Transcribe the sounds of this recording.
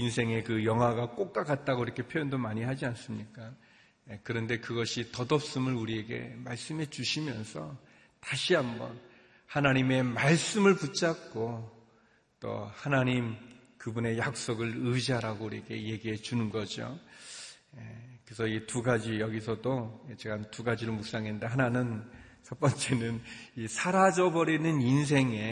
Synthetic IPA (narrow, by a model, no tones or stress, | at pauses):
insʰe̞ŋe̞kɯjʌŋwaɡak͈ok̚k͈aɡat̚t͈aɡoiɾʌkʰe̞pʰjojʌndomaɲiɦad͡ʑians͈ɯmɲik͈a | ekɯɾʌnde̞kɯɡʌɕʰitʌdʌp̚s͈ɯmɯɭuɾie̞ɡe̞̰maɭs͈ɯmɦe̞t͡ɕuɕʰimjʌnsʰʌ | taɕʰiɦambʌ̰n | hanaɲime̞maɭs͈ɯmɯɭput͡ɕ͈ak̚k͈o | t͈o̰hanaɲim | kɯbune̞jak̚s͈oɡɯɭɯd͡ʑiɦaɾaɡouɾieɡe̞je̞ɡiɦe̞t͡ɕunɯnɡʌd͡ʑo̰ | ekɯɾesʰʌituɡad͡ʑijʌɡisʰʌdoet͡ɕeɡantuɡad͡ʑiɾomuk̚s͈aŋinnde̞ɦananɯn | sʰʌp͈ʌnt͡ɕ͈e̞nɯnisʰaɾad͡ʑʌbʌɾinɯnins̬ʰe̞ŋe̞